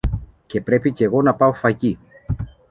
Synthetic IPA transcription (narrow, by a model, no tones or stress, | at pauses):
ce̞pɾe̞pice̞ɣo̞nɐpɐo̞fɐʝi